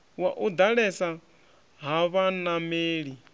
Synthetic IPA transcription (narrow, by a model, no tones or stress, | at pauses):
waʔud̪aɺɛsa | ɦaβanameːɺi